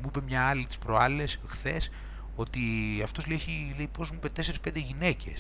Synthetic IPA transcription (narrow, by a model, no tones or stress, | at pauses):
muipe̞mɲɐɐlit̪i̥spɾoɐlesxθe̞s | o̞t̪iɐft̪o̞zleçilejpo̞zmuipe̞t̪eseɾispe̞nd̪eʝine̞ce̞̰s